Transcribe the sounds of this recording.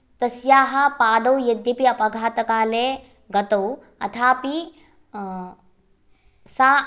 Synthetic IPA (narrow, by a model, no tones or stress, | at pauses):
t̪ɐsjaːɦɐ̆paːd̪ɐwjɐd̪jipiɐpɐɡʱaːt̪ɐkaːleː | ɡɐt̪ɐw | ɐ̰t̪ʰaːpi | saː